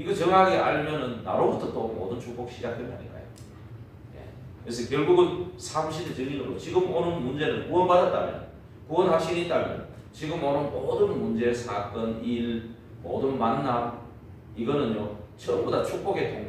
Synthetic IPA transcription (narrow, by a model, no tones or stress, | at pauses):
iɡʌt͡ɕʌŋɦaɡeʔa̰ɭmjʌnɯnːa̰ɾobutʰʌt͈omo̰dɯnt͡ɕʰok̚p͈ok̚ɕ͈ʰid͡ʑak̚tʰemaɲḭk͈a̰jo̰ | jḛ | kɯɾes̬ʰʌkjʌɭɡuɡɯnsʰaɡuɕʰidet͡ɕɯŋidoɾo̰t͡ɕiɡɯmonɯnmund͡ʑe̞nɯnkuwʌnbadat̚t͈a̰mjʌ̰n | kuwʌnhaɕʰinit͈amjʌ̰n | t͡ɕiɡɯmonɯnmodɯnmund͡ʑe̞sʰak̚t͈ʌniɾ | mo̰dɯnmanːam | iɡʌnɯnjot͡ɕʰʌmbudat͡ɕʰok̚p͈oɡe̞tʰoŋ